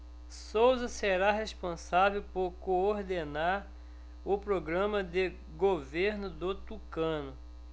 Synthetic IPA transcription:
sowzɐseɾaɦespõsavewpoɾkooɾd̪enaɾ | ʊpɾoɡɾɐ̃mɐd̪ɪ | ɡoveɾnʊd̪ʊt̪ukɐ̃nʊ

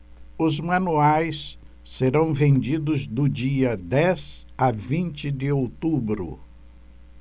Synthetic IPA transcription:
ʊzmɐ̃nuajs | sːeɾɐ̃w̃vẽnd͡ʒid̪ʊzd̪ʊd͡ʒiɐd̪ɛz | avĩnt͡ʃɪd̪ɪowt̪ubɾʊ̰

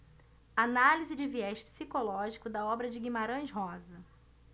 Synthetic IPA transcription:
analizɪd͡ʒɪviɛʃpi̥sikolɔʒikʊd̪ɐɔbɾɐd͡ʒɪɡimaɾɐ̃ʃɦɔzɐ

